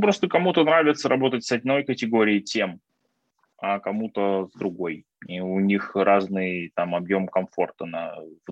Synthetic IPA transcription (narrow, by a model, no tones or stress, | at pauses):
pɾo̞st̪əkɐmut̪ənɾavʲɪt̪səɾɐbo̞t̪ətʲsɐdʲno̞jkətʲɪɡo̞ɾʲɪːtʲem | ɐkɐmut̪əzd̪ɾʊɡo̞j | iʊnʲixrʔaznɨjt̪amɐbjo̞mkɐɱfo̞rt̪əna̰v